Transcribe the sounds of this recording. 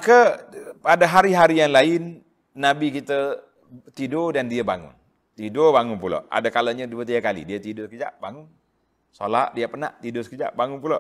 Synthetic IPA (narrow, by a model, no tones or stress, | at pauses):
akəpadaɦaɾiɦaɾijaŋlaɪnː | abikit̪ə | t̪idodandiaba̰ŋʊ̰n | t̪idobaŋʊnpulo̰ʔʔa̰dakalaɲəduwət̪iakalḭdiat̪idosəkəd͡ʒa̰ʔbaŋʊn | so̰la̰ʔdiapəna̰ʔt̪idosə̥kəd͡ʒa̰ʔbaŋʊnpuloʔ